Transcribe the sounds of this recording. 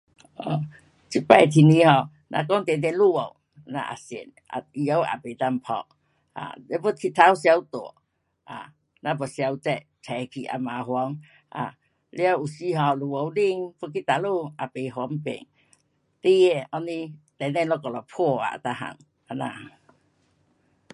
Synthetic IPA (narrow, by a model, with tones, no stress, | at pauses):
ʔɔ˨ | t͡ɕʰi˦pa˧˨jt̪ʰi˨ni˧˦hɔ˧˩ | nʔa̰˧kɔ˦ŋt̪ɛ˨d̪ɛ˧˨nlu˦˧˨wo˨w | na̰˧ʔa̰˨sḭ˨nʔa̰˨i˧jə˧˦wa̰˨pe˨t̪a˧m˨pʰɔ̰˧k̚ | a̰˨ɛ˧˦pu˦t̪ʰi˧t̪ʰa˧˦wsja˧wt̪o̰˨ | a̰˨ | na˧bɔ˨sja˧wt͡sɛ˧˨ʔ | tʰɛ˨kʰi˨ʔa̰˨ma˨ɦwɔ˧˦ŋ | a̰˨ | le˦a˧u˨si˧˦ɦɔ˧˨lu˨wo˨˧wli˧ŋpu˦k̬i˦t̪a˨lu˧˨ʔa˨pe˨ɦwɔ˧˦m˦pḛ˨ŋ | t̪e˦jɛ˧ɔ˧ni˧t̪ɛ˨d̪ɛ˧nlɔ˧kɔ˨lɔ˨pʰɔ˥˧˨a̰˨t̪a˧˨ɦa̰˨ŋ | a˨na̰˧˨